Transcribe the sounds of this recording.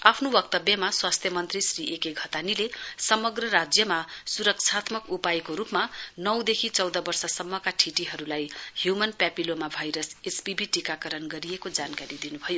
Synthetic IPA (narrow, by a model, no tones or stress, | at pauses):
apʰnobʌk̚t̪ʌbjʌmaswast̪ʰjʌmʌnt̪risriʔekeɡʱʌt̪anilesʌmʌɡrʌɾad͡zjʌmasuɾʌk̚t͡sʰat̪mʌkupaekoɾupmanʌwd̪ekʰit͡sʌwd̪ʌbʌrsʌsʌmːʌkaʈʰiʈiɦʌɾulajhjumʌnpjapilomabʱajɾʌsespibʱiʈikakʌɾʌnɡʌɾijekod͡zankaɾid̪inubʱʌjo